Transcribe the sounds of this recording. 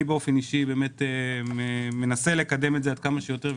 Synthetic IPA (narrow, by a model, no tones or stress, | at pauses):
beo̞feniʃibe̞ːme̞t̪ememe̞nase̞le̞kad̪e̞metzead̪̚kamaʃejo̞t̪eʁ